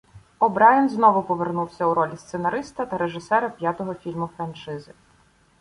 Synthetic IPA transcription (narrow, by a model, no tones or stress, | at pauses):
ɔbɾɑjɐnznɔʋʊpɔʋernuwsʲɐuɾɔlʲist̪senɐɾɪst̪ɐt̪ɐɾeʒɪsɛɾɐpʲjat̪ɔɦɔfʲilʲmʊfɾɐnt͡ʃɪzɪ